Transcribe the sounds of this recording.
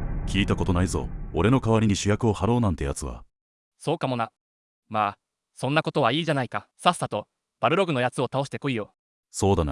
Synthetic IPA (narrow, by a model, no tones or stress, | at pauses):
kʲiːt̪ako̞t̪o̞naizo̰oɾe̞no̞kaβaɾʲiɲ̟iɕɨjakɯo̞haɾo̞ːnãnt̪e̞ja̰t͡sɨβa̰ | so̞ːkamo̞na | maː | sõ̞nːako̞t̪o̞β̞aiːʑanaikasasːat̪o̞ | b̥aɾɯ̟ɾo̞ɡɯ̟no̞jat͡sɨo̞t̪ao̞ɕi̥t̪e̞koijo̞ | so̞ːd̪ana̰